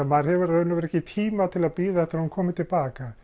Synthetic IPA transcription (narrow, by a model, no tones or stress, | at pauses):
maɾ̥hɛvʏɾaʏnːʏvɛɾɛhcːɪt̪ʰiːmat̪ʰɪlaðpiːðaθɛht̪aɾhunkʰɔːmɪt̪ʰɪlpaːka